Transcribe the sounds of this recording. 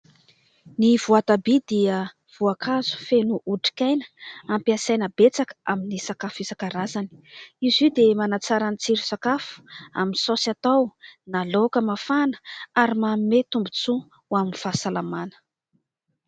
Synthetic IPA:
nivuat̪abid̪iə | v̥uakʰazu̥fenuʔuʈ͡ʂi̥kʲajnə̥ampiasajnəbet͡sakə̥aminisakafizakaɾazani̥izid̪emanat͡saɾanit͡siɾu̥sakafu̥a̰minsosat̪awnalokəmafanə̥aɾimamimet̪umbut͡su | waminifasalamanə̥

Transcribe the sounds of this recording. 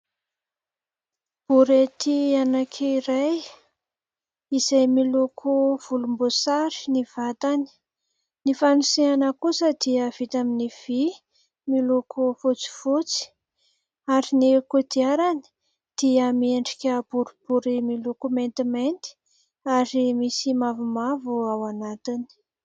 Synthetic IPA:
b̥uɾet̪ianakʰeiɾaj | izajmilokʰuv̥ulumbosaɾi̥niv̥at̪ani̥ | nifanusianəkusəd̪iəv̥it̪aminiv̥i | milokʰufot͡si̥fot͡si̥ | aɾinikud̪iaɾani̥ | d̪̥iəmieɳɖ͡ʐikʲəb̥uɾub̥uɾimilokument̪iment̪i̥ | aɾimisimavumavuawanat̪ini̥

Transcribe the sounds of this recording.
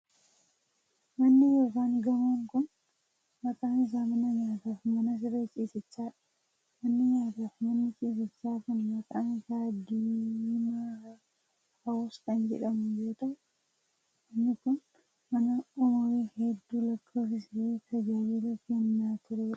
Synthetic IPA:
mɐnːɪjoːkaːŋɡɐmoːŋkʊn | mɐkʼaːnɪs̬aːmɐnɐɲaːt̪aːfmɐnɐs̬ɪɾeːt͡ʃʼiːsɪt͡ʃːaːᶑɐ̥ | mɐnːɪɲaːt̪afmɐnːɪt͡ʃʼiːs̬ɪt͡ʃːaːkʊnmɐkʼaːnsaːd̪iːma | hɐwɔst̪ɐnd͡ʒɛ̰ᶑɐmʊd͡ʒoːt̪ɐʔʊ | mɐnːɪkʊn | mɐnɐɔmɐweːhɛd̪ːuːlɐkːoːfɪsɪɾeːt̪ʰɐd͡ʒaːweːlɐfenːaːt̪ʊɾeɐ

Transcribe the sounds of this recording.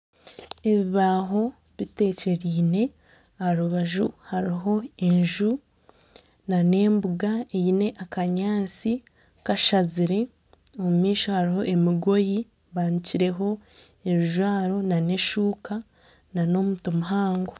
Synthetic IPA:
e̞βiβaɦo̞ | βite̞ːce̞ɾiːne̞ | aɾuβaʒuhaɾiɦo̞e̞ɲʒu | nane̞ːmbuɡaeine̞ʔakaɲaːt͡si | kaʃaziɾe̞ | omumiːʃohaɾiɦo̞ʔe̞miɡo̞ji | βaniciɾe̞ɦo̞ | e̞βiʒwaːɾo̞nane̞ʃuːka | nano̞mutomuɦaːŋɡo

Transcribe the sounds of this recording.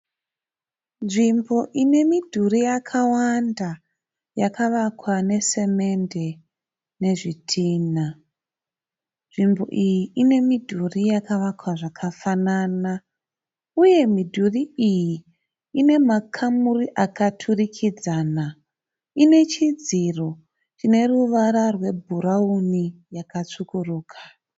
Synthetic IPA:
nʐimbo̞ʔine̞midʱurijakʰawanda | jakʰaʋakwane̞se̞me̞nde̞ | ne̞ʐitʰiːna | nʐimbo̞ʔijiʔine̞midʱurijakaʋakwaʐakʰafanana | uje̞midʱuriiji | ine̞makʰamuriʔakatʰurikʰid͡zaːna | ine̞t͡ʃid͡ziro | t͡ʃine̞ruʋaɾarwe̞bʱuɾaunijakat͡sukuruːkʰḁ

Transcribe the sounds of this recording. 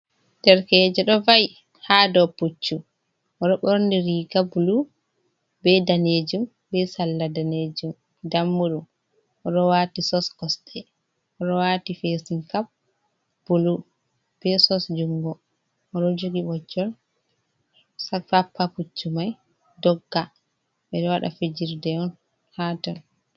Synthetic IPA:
d̥ɛɾkɛd͡ʒɛɗɔvaj | hadɔput͡ʃːu | ɔɗɔɓɔɾndiɾiɡabulu | bɛdaneːd͡ʒum | bɛsalːadaned͡ʒum | damːuɗum | ɔɗɔwaːtisɔskɔsɗɛ | ɔɗɔwatifesinkap̚ | b̥ulu | b̥ɛsɔsd͡ʒuŋɡɔ | ɔɗɔd͡ʒoɡiɓɔd͡ʒɔɾ | sapapʰːaput͡ʃːumaj | dɔɡːa | ɓɛɗɔwaɗa̰fed͡ʒiɾdɛɔn | haːtɔn

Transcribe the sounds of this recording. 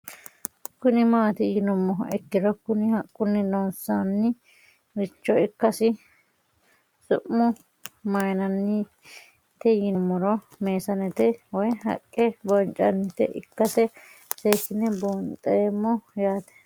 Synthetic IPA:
kʊnɪmaːt̪ɪjɪnɔmːɔɛkːɪd̪ɔkʊnɪhɐkʼːʊnːɪnɔnsanːɪ | ɾɪt͡ʃːɔɪkːɐsɪ | sʊ̰ʔmːɔ | mɐjnɐnːɪ | t̪ɛjɪnɔmːɔɾɔ | meːsɐnɛt̪ɛwɔjɦɐ̰kʼːɛbɔnt͡ʃʼɐnːɪt̪ɛ̰ʔɪ̰kːɐsɛ | seːkːɪnːɛboːnt̪ʼɐɛmːɔjaːt̪ɛ̥

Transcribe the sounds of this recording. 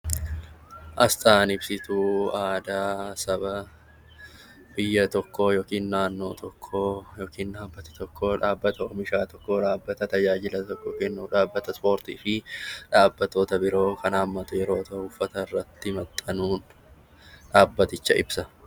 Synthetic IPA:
ʔɐst̪ʼaːnɪbsɪt̪uːaːd̪aːsɐbɐ | bɪjːɐt̪ɔkːojoːkiːnnaːnːo̞ːt̪ʰɔkʰːojoːkiːnnaːbːɐt̪ɪ̥t̪ɔkːoᶑaːbːɐt̪ɐɔmɪʃaːt̪ɔkːoᶑaːbːɐt̪ɐt̪ɐd͡ʒaːd͡ʒɪlɐt̪ɔkːɔkɛnːuᶑaːbːɐt̪ɐspo̞ːɾt̪iːfɪᶑaːbːɐt̪ːo̞ːt̪ɐbɪɾo̞ːkʰɐnaːmːɐt̪ʊjɛɾo̞ːt̪ɐʊfːɐt̪ɐɪrːɐt̪ːɪmɐt̪ʼːɐnuːn | ᶑaːbːɐt̪ɪt͡ʃːɐʔɪbsɐ

